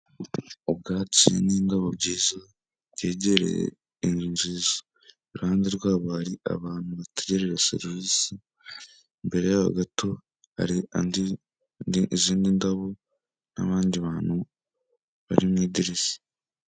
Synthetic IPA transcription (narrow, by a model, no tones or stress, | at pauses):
ob̚ɡaːcḭnindaβobɟiːza | ɟe̞ːɟeɾḛḛ | iɲiːɲʒiːzo̥ | iɾuhaːndeɾɡwaːβohaɾia̰βaːn̥huβateɟeɾeɾesḛɾviːsi | mbe̞ɾe̞jaβa̰ɡato̞ | ha̰ɾiandi | iziːndindaβo̞ | na̰βaːndiβaːn̥hu | βa̰ɾimŋiːdiɾizi̥